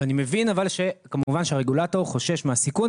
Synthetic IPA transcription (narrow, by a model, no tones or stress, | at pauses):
animevinavalʃe̞kamuvanʃeaʁeɡulato̞ʁχo̞ʃe̞ʃmeasikun